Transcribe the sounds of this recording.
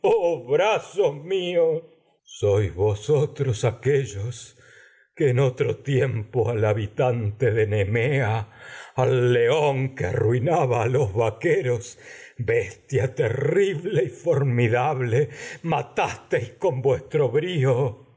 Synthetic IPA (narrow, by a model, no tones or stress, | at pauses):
oβɾasohmios | sojzβosot̪ɾosakeʒos | keːnot̪ɾot̪jempoalaβit̪ant̪eðenemeaː | lːeoŋkea̰rwinaβaːlo̞zβakeɾo̞sbest̪jat̪eriβle̞ifo̞ɾmiðaβlemat̪ast̪ejsko̞mbwest̪ɾoβɾio